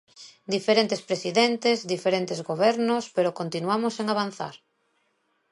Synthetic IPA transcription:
d̪ifeɾẽnt̪espɾesiðent̪ezd̪ifeɾent̪ezɣoβɛɾnospeɾokont̪inuamoseŋaβan̟θa̰ɾ

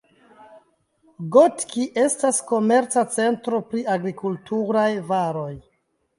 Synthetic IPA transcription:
ɡo̞tkiʔe̞stasko̞me̞ɾt͡sat͡se̞ntɾo̞pɾiaɡɾikultuɾajvaɾo̞j

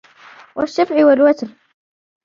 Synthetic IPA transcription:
waʃːafʕɪwalwat̪n

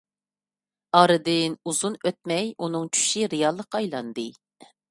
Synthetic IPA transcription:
ɑɾɨd̪ɪnuzunøt̪̚mɛjunɨŋt͡ʃʰy̥ʃiɾejɑlˠːəqɑjlˠɑnd̪ɨ

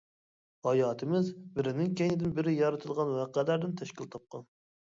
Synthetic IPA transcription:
hɑjɑːt̪ʰɨmɪzbɪɾɪnɪŋkʲɛŋɪd̪ɪnbɪɾɪjɑɾɨt̪ʰɨlˠʁɑnwæqælæɾd̪ɪnt̪ʰɛʃkʲilt̪ʰɑp̚qɑn

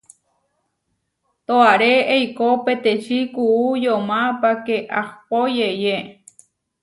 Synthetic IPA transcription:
t̪oaɾeejkopet̪eʃikuujomapakeʔahpojeje

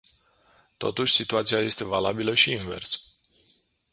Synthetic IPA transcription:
t̪o̞̰t̪uʃʲsit̪uat̪sijaje̞st̪e̞valabiləʃiinve̞̰rs

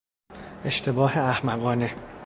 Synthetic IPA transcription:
e̞ʃt̪ʰe̞bɒːheæhmæɣɒːne

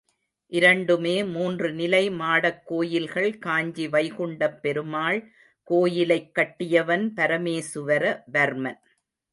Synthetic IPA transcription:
ʔɪɾɐɳɖɯmeːmuːndrɯnɪlɐɪmaːɽɐkːoːjɪlɣɐɭkaːɲd͡ʒiʋɐɪɣʊɳɖɐpːɛɾɯmaːɭ | koːjɪlɐɪkːɐʈːɪjɐʋɐnpɐɾɐmeːsɯʋɐɾɐʋɐɾmɐn

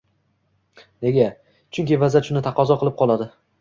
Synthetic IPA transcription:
ne̞ɡʲa | t͡ʃʰʊŋkʲievazaʃʊnɪt̪ʰaqʰɒzɒqʰɨlˠɪp̚qʰɒlˠad̪ɪ

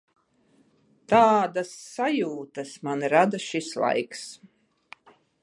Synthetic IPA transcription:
t̪aːd̪asːajuːt̪ɐsmanɾad̪aʃislˠa̰jks

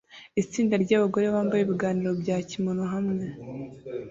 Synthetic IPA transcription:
it͡siːndaɾɟaːβaɡo̞ɾe̞βaːmbajeβiɡaːniɾo̞bɟaːcimonoɦamŋe

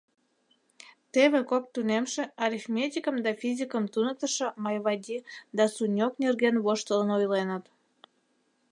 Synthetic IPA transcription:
t̪eβekop̚t̪unemʃĕɑɾʲifmʲet̪ʲikəmd̪ɑfizʲikəmt̪unək̚t̪əʃə̆mɑjβɑd̪ʲid̪ɑsunʲoknerɣenβoʃt̪ələnojlenət̪

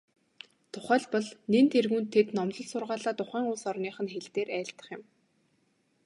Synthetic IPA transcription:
t̪ʰʊχæːɮpɔɮnent̪erɣuːnt̪ʰːet̪nɔmɮɞ̆ɮsʊrʁaːɮaːt̪ʊχæːŋʊːsɔrniːχə̆nxeɮt̪eːɾæːɬt̪ə̥̆χjɪ̆m

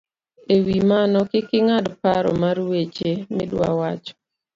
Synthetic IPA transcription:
ewimanɔkɪkɪŋadpaɾɔ̰marwet͡ʃemɪdwa̰wat͡ʃɔ̥

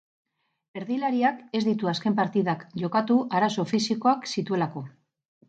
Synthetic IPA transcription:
e̞ɾðilaɾiake̞zd̪it̪uaske̞mpaɾt̪iðakʝo̞kat̪uaɾaso̞fisiko̞aksit̪ue̞lako̞

